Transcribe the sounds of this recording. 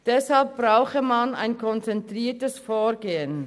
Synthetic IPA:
d̥ɛshalp̚b̥ʁaʊxəmana̰ɪnkʰɔnt͡sɛntʁiːtəsfoːɡeːən

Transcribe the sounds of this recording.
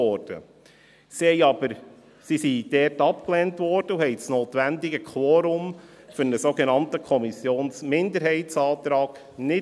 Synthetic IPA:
ɔɾd̥ə̰ | sihɛɪɑbəɾ | sisid̥ɛːtɑp̚klɛːntvɔːɾd̥əuhɛɪsnoːtʋændɪɡəkʰwɔːɾʊm | fʏɾnəsoɡenɑntəkʰɔmisjoːnsmɪndəɾɦɛɪtsɑːt̪ɾɑːɡ̥ | nɪ

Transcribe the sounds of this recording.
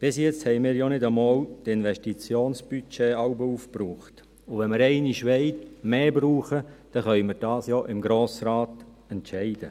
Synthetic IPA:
b̥ɪsjɛt͡sthɛɪmɪːɾjonɪdəmɔːltɪnʋɛʃtit͡sjoːnsb̥yt͡ʃeːɑwbəuːfpruːχt | ʊʋɛnmɪɾɛɪniʃʋɛɪtmeːbɾuːχəd̥ɛχœʏməɾd̥ɑːsjoʔɪmɡɾoːsraːt | ɛntʃɛɪd̥ə

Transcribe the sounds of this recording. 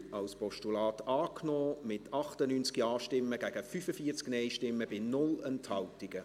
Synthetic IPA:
ɑlspɔʃtulɑːtɑːkʰnɔːmɪtʰɑχtənynt͡skiɑːʃtɪmːəɡ̥æɡ̥əfyfəfiːət͡sknɛɪʃtɪmːəb̥ɪnʊlənthɑltɪɡ̥ə

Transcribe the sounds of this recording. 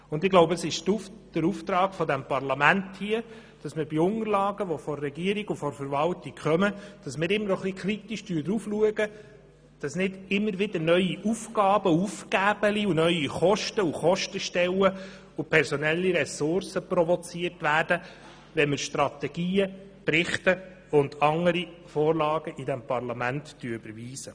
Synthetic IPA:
ʊndɪɡloʊbəəsɪʃd̥əɾuft̪ɾɑːɡ̥fɔdæmpɑrlɑmænthiə | d̥ɑsmɪɾbiʊnəɾlɑːɡəʋɔfɔrːɛɡiəɾiɡufɔɾfəɾvɑltikχœməd̥ɑsmɪːɾɪmːəɾɔχlikʰɾit̪iʃtyːɾd̪ɾufluəɡə | d̥ɑsnɪdɪmːəɾʋɪdəɾnœʏiʔufɡɑːb̥əufkæːb̥əliunœɥiχɔʃtəuχɔʃtəʃtɛwə | upʰɛɾsɔnɛlːiɾɛsʊɾsəpɾɔvɔt͡siərtʋæːɾd̥ə | ʋɛnmɪɾʃtɾɑt̪ɛɡ̥iːə | pɾɪχtə | ʊndɑŋːəɾi | fɔːrlɑːɡ̥əʔidɛmpɑɾlɑmænttyːybəɾviːsə

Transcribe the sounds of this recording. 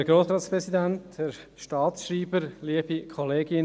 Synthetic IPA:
əɾɡ̥ɾoːsɾɑːt̪spɾɛsid̪ænthɛɾ | ʃtɑːtsʃriːbəɾliəb̥ikʰɔleːɡɪn

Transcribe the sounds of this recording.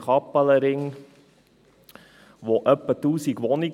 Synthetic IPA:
χɑpːələɾɪŋ | ʋoʔəpːətuːsikʋɔnik

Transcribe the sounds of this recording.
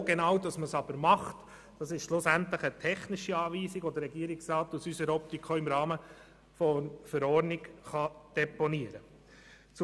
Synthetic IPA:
ɡenɑwdɑsməsɑb̥əɾmɑχt | d̥ɑsɪʃʃlʊsænt̪ləχətʰɛχnɪʃiɑːviːsiɡɔdəɾːɛɡiəɾɪksɾɑːtusysəɾɔp̚t̪ikʰoɪmɾɑːmə | fɔnfəɾɔːɾnɪɡχɑd̪̥ɛpɔniəɾə | t͡s

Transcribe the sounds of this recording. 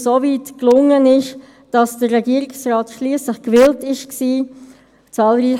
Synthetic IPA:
soviːtklʊŋːənɪʃ | d̥ɑsd̥ərːɛɡiəɾɪksrɑːtʃliːəsləχkvɪltɪʃksiː | t͡sɑːlɾiː

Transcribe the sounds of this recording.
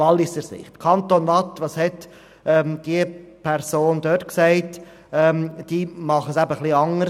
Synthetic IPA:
ɑlːɪsəɾsɪ̰χtkʰɑntonvɑtʋɑshɛt | ɛmd̥iəpʰɛɾsoːnd̪øtksæɪt | ɛmd̥iːmɑχəsæbəχliɑŋə

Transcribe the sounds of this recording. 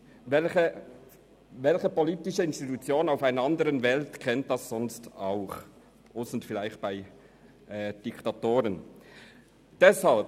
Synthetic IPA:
vɛlçə | vɛlçəpoliːtɪʃəɪnstitut͡sjoːnənaʊfaɪnəɑndəʁənvɛltkʰɛnt̚d̥ɑsz̥ɔnstaʊχ | ʔʊsn̩tfɪlaɪxt̚b̥aɪ | ʔɛːd̥ɪktatoːʁən | d̥ɛshalp̚

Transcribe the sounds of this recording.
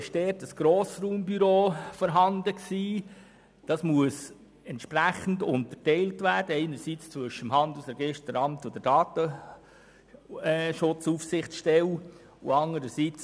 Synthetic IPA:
ʃdɛːtəsɡ̥ɾoːsruːmbyɾoːfɔɾɦɑndəksiː | d̥ɑsmuəs | ɛntʃpɾæχən̩dʊ̰ntətɛɪltʋæːɾd̥əɛɪnəɾsit͡st͡sʋʏʃəmhɑnd̪lusɛɾɡɪʃttəɾɑmtʊd̥̪əd̥ɑːt̪ə | ʃʊt͡sufsɪχt͡sʃtɛl | ʊ̰ɑnəɾəsit͡s

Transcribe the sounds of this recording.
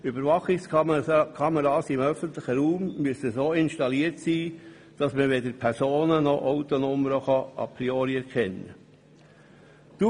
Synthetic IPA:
ybəɾʋɑχɪkskʰɑməɾɑːsɪmœfənt̪lɪχəɾuːmːyəsəsoːɪnʃtɑliːəɾtsiː | d̥ɑsməʋedəɾpʰɛɾsoːnənɔʔaʊt̪ɔnɔməɾəχɑɑ̰pɾioːɾiɛɾkʰɛnːə̰ | d̥u

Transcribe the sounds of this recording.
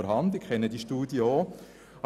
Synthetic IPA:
əɾɦɑndɪkʰɛnːədiʃtuːdjəo

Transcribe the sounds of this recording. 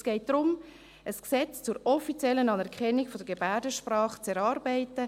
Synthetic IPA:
sɡ̥ɛɪt̚d̥ɾʊm | əsksɛt͡st͡suːɾɔfit͡sjɛlːənɑnɛɾkʰχɛnːiɡfɔdəɾɡebæɾdəʃprɑːχt͡sɛɾɑːɾbæɪtə

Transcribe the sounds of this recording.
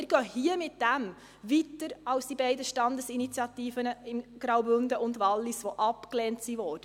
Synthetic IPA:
ɪɾɡ̥œːhiəmɪt̚d̥æm | ʋit̪ːəɾɑlsd̥ibɛɪdəʃtɑnd̪əsinit͡sjɑt̪iːfənəɪmɡ̥ɾɑwbʏndəʔʊnd̪ʋɑlːisʋoʔɑpkleːntsiʋɔːɾd̥ə

